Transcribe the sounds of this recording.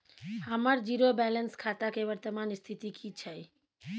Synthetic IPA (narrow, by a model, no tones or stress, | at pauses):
həməɾd͡ʒiɾobɛlənskʰat̪akeʋəɾt̪əmanst̪ʰit̪ikʰit͡ʃʰəj